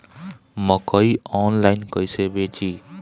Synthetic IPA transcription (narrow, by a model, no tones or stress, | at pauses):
mʌkʌjɔnlajnkʌjsebet͡ʃi